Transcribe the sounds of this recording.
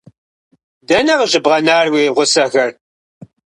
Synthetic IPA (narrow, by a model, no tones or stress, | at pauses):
dɐnɐʁʒɨbʁɐnaːrwiːʁʷʊsɐxɐr